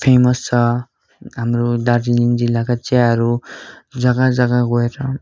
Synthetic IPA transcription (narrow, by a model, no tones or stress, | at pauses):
pʰemʌst͡sʰʌ | ɦamɾod̪ardiliŋd͡zilːakat͡seaɦʌɾud͡zʌɡad͡zʌɡaɡoeɾʌ